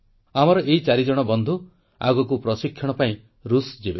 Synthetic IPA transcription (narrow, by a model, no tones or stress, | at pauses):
amɔɾɔʔeit͡ʃaɾid͡ʒɔɽ̃ɔbɔnd̪ʱu | a̰ɡɔk̬upɾɔsikʰːjɔɽ̃ɔpaĩ | ɾusd͡ʒibe